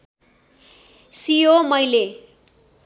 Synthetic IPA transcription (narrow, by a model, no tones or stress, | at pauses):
sijomʌjle